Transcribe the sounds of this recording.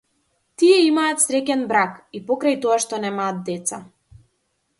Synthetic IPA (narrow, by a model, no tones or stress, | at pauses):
t̪iɛimaːt̪sɾɛcɛnbɾakipɔkɾajt̪ɔaʃt̪ɔnɛmaːt̪̚d̪ɛt̪sa